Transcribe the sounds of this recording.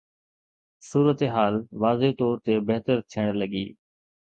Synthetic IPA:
suːɾət̪eɦaːlʋaːzet̪ɔːɾt̪eːbeɦt̪əɾt̪ʰɪɽ̃ləɡiː

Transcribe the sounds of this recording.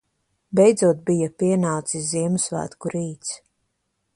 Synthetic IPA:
bɛjd̪zuɔt̪̚bijapiɛnaːt̪siziɛmusvæ̰ːt̪kuɾiːt̪s

